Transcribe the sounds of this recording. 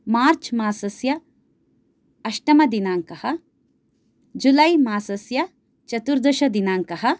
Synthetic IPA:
maːɾt͡ʃmaːsɐsjɐ | ɐʃʈɐmɐd̪inaːŋkɐhɐ | d͡ʒulɐjmaːsɐsjɐ | t͡ʃɐt̪uɾd̪ɐʃɐd̪inaːŋkɐɦɐ̆

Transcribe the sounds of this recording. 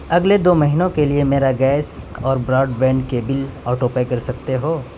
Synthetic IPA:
ɐɡled̪oːmɐɦinõkeliemeːɾaɡɛːsɔːɾbɾɔːɖbɛ̃ːɳɖkebɪlɔːʈoːpekɐɾsɐk̚t̪eɦoː

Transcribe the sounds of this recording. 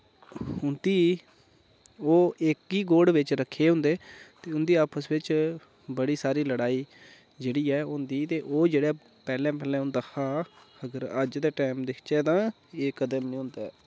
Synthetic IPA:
hʊnd̪iː | oːɪkiːɡoːɽʋɪt͡ʃɾəkʰːeːɦʊ̃nd̪eːt̪eːʊnd̪iːaːpʰəsʋɪt͡ʃ | bəɽiːsaːɾiːləɽaːiː | d͡ʒeːɽiːɛːʊnd̪iːt̪eːʔoːd͡ʒeːɽeː | pɛːlɛ̃ːpɛːlɛ̃ːʊ̃nd̪aːkʰaː | əɡəɾəd͡ʒd̪eːʈaːmd̪ɪkʰt͡ʃɛːd̪ãː | eːkəd̪əmnĩːʊ̃nd̪aː

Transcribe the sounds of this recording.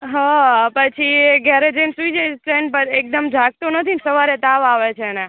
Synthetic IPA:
ɦapət͡ʃʰiɡɛɾed͡ʒensuid͡ʒeɾeɳpəɾek̚d̪əmd͡ʒʱaɡ̚t̪onət̪ʰinsəʋaɾet̪aʋaʋet͡ʃʰenɛ

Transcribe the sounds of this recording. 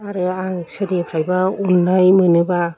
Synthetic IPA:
aɾɯaŋsɯdepʰɾajbaunːajmɯnɯba

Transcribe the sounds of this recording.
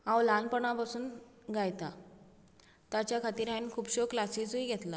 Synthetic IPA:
ãwlanpəɳ̃apasuːn | ɡʱajt̪a | t̪at͡ɕjakʰat̪iːɾainkʰuːbɕoklasiːsuiɡʱɛt̪la

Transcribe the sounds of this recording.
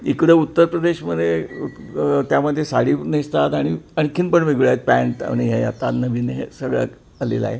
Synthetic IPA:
ikɽeut̪ːəɾpɾəd̪eɕməd̪ʱje | t̪jaməd̪ʱːjesaɽinist̪at̪aɽ̃iaɽ̃ikʰinpəɳʋeɡɭat̪̚pæɳʈa̰ñiɦeja̰t̪anəʋinɦḛsəɡɭa̰ | əlḛla̰ɦe

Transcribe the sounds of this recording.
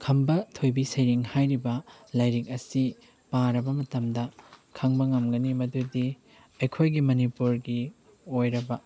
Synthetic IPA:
kʰɐmbɐtʰojbisɐjɾiŋhajɾibɐlɐjɾik̚ɐsi | paɾɐbɐmɐtɐmdɐkʰɐŋbɐŋɐmɡɐnimɐdudi | ɐjkʰojɡimɐnipuɾɡi | ojɾɐbɐ

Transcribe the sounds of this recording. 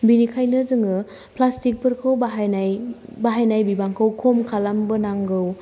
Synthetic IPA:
binikʰajnɯzɯŋɯ | plastik̚pʰɯɾkʰɯwbaɦanajbaɦajnajbibaŋkʰɯwkʰomkʰalambɯnaŋɡɯw

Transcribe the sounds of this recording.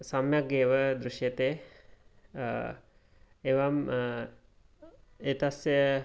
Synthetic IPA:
sɐmjak̚ɡeːʋəd̪ɾuʃjet̪e | eʋam | et̪asjə

